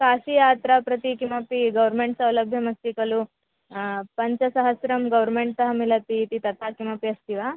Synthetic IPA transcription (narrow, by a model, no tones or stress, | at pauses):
kaːsijaːt̪ɾapɾɐt̪ikimɐpiɡɐʋɐɾmeɳʈsɐwlɐbʱjɐmɐst̪ikɐlu | pɐɲt͡ʃɐsɐɦɐsɾɐmɡɐʋɾmeɳʈ̚t̪ɐɦɐmilɐt̪iːt̪it̪ɐt̪aːkimɐpiɐst̪iʋaː